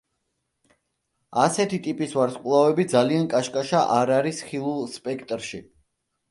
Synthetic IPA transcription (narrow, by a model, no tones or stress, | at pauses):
asɛt̪ʰit̪ʼipʼisvaɾskʼlˠavɛbid̪zaliankʼaʃkʼaʃaʔaɾaɾisχilˠulspʼɛkʰt̪ʼɾʃi